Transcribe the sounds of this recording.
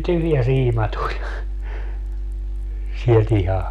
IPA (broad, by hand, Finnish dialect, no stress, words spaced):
tyhjæ siːmɑ tulʲ sielt ihɑ